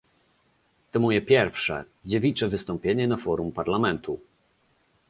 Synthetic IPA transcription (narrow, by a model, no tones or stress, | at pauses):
t̪ɔmɔjɛpʲjɛɾfʂɛ̰ | d͡ʑevʲit͡ʂɛvɘst̪ɔ̃mpʲjeɲɛnafɔɾumpaɾlamɛnt̪ʰu